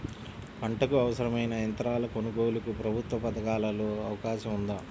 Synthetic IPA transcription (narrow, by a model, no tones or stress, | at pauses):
pɐɳʈɐkuɐʋɐsɐɾɐmɐjnɐjɐnt̪ɐɾaːlɐkonuɡo̞ːlukupɾɐbʱut̪ʋɐpɐd̪ɐkaːlɐloːɐʋɐkaːʃɐmund̪aː